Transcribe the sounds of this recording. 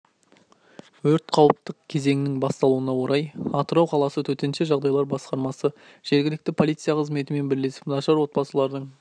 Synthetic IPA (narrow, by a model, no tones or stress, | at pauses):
wɵɾt̪qʰɑwəp̚t̪əq̚kʲʰe̞ze̞ŋʲɪnɪŋbɑst̪ɑlˠuənɑwo̞ɾɑjɑt̪əɾɑwqʰɑlˠɑsət̪ʰɵt̪e̞nʃeʒɑʁd̪ɑjlˠɑɾbɑsqɑɾmɑsə | ʒ̥e̞ɾɡʲɪlɪk̚t̪ɪpʰo̞lˠijt̪sɨjaqəzme̞t̪ɪme̞nbɪɾle̞sɪ̥pnɑʃɑɾwo̞t̪̚pɑsəlˠɑɾd̪əɴ